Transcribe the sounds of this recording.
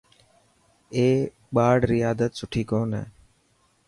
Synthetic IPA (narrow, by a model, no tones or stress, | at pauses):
eː | ɓaːɽɾɪjaːd̪ət̪sʊʈʰiːkoːnə̰ː